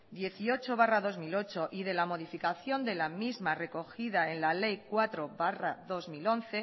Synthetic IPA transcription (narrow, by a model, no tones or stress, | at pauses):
d̪je̞θio̞t͡ʃo̞β̞araðo̞zmilo̞t͡ʃo̞ʔiðe̞lamo̞ðifikaθjo̞nd̪e̞lamizmare̞ko̞xiðae̞nlale̞jkwat̪ɾoβaraðo̞zmilo̞n̟θe̞